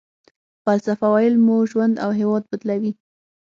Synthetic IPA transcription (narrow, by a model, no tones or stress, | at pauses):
palsafawɑjɪlmuʒwand̪a̰wɦewɑd̪̚bət̪lawi